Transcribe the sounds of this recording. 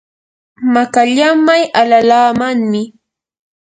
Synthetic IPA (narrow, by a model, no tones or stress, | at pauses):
makaʎamajʔalalaːmaŋmɪ